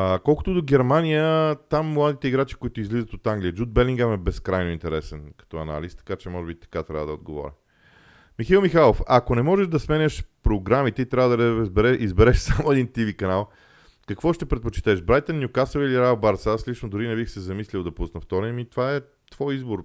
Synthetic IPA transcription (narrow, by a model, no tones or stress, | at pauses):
kɔlˠko̥t̪ʊd̪oɡɛɾmanijət̪amːlˠad̪it̪ɛiɡɾat͡ʃi̥koit̪ʊizlizət̪ot̪aŋɡlijəd͡ʒud̪̚bɛlʲiŋɡamɛbɛskɾajnoint̪ɛɾɛsɛnkɐ̥t̪ɔɐ̰na̰list̪ɐ̥kat͡ʃɛmɔʒɛbit̪ɐ̥kat̪ɾʲa̰vəd̪ɐo̰d̪ɡovɔ̰ɾʲḭ | mixilˠmixalˠofɐkonɛmɔʒɛʒd̪ɐsmɛnʲəʃpɾoɡɾamit̪ɛit̪ɾʲavəd̪ɐɾbɛɾɛʔizbɛɾɛʃsamoɛd̪int̪ivikɐnalˠ | kɐkvɔʃt̪ɛpɾɛt̪̚pot͡ʃɛ̥t̪ɛʃbɾajt̪ənːjʊkasoviliɾabaɾsaslit͡ʃnod̪ʊɾinɛbixsɛzɐmislʲilˠd̪ɐpusnɐft̪ɔɾɛmit̪ovaɛ | t̪v̥ɔjizboɾ